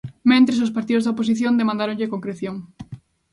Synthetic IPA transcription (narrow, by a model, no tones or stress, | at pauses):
mẽnt̪ɾesospaɾt̪iðozðɐopos̬iθjõnd̪emãnd̪aɾoŋʎekoŋkɾeθjoŋ